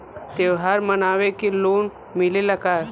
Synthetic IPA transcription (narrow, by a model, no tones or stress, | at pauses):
t̪eʋɦaɾmənaʋekilon | milelakaɾ